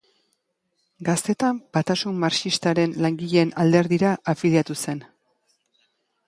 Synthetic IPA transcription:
ɡast̪e̞t̪ambat̪asummaɾt͡ʃist̪aɾe̞nlaŋɡiʎe̞ːnald̪e̞ɾðiɾaʔafiljat̪use̞n

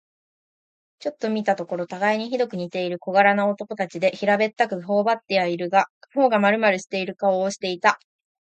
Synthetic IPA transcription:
t͡ɕo̞t̪ːo̞mʲit̪at̪o̞ko̞ɾo̞t̪aɡaiɲ̟içid̪o̞kɯ̟ɲ̟it̪e̞iɾɯ̟ko̞ɡaɾanaot̪o̞ko̞t̪at͡ɕid̪e̞çiɾabe̞t̪ːakɯ̟ɦo̞ːbat̪ːiaiɾɯ̟ɡaho̞ːɡamaɾɯ̟maɾɯ̟ɕi̥t̪e̞iɾɯ̟kaoːɕi̥t̪e̞it̪a

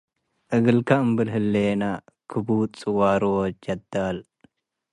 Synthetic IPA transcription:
ʔɨɡɨlkʰaɨmbɨlɦɨlːenakʰɨbut͡sʼɨwaɾowd͡ʒɐd̪al

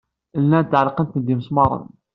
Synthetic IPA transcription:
lːænt̪ːʕəlqənt̪nd̪iməsmɑɾˤə̰n

